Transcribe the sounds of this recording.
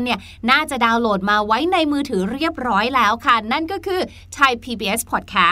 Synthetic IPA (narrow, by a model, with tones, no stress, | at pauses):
ni˥˩ɐ | naː˥˩t͡ɕa˨˩ʔdaː˧wloː˨˩t̪̚maː˧wa˦˥jna˧jmɯː˧t̪ʰɯː˩˦ɾi˥˩əp̚ɾɔː˦˥jlɛː˦˥wkʰa˥˩na˥˩nkɔː˥˩kʰɯː˧ | t̪ʰa˧jpʰiː˧biː˧ʔe˦˥spʰɔ˨˩t̪̚kʰɛː˦˥